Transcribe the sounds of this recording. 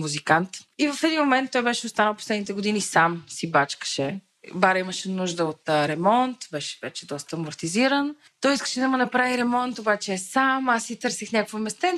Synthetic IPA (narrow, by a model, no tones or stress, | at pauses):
muzikant̪ivɐfɛd̪inmomɛnt̪ːɔjbɛʃɛost̪anəlˠpo̥slɛd̪nit̪ɛɡod̪inisamsibat͡ʃkə̥ʃɛ | baɾəiməʃɛnuʒd̪əot̪ɾɛmɔnt̪vɛʃɛ̥vɛt͡ʃɛd̪ɔst̪əmoɾt̪iziɾən | t̪ɔjiskə̥ʃɛd̪ɐmənɐpɾaviɾɛmɔnt̪obat͡ʃɛsamasːit̪ɤɾsixnʲakvəmɛst̪ɛ